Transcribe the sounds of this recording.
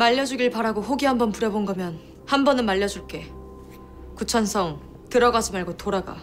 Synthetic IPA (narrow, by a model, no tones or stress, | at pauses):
maʎːʌd͡ʑuɡiɭpaɾaɡoɸoɡiɦambʌnpuɾjʌbonɡʌmjʌn | hambʌnɯnmaʎːʌd͡ʑuɭk͈e̞ | kut͡ɕʰʌnsʰʌŋ | tɯɾʌɡasʰɯmaɭɡotoɾaɡa̰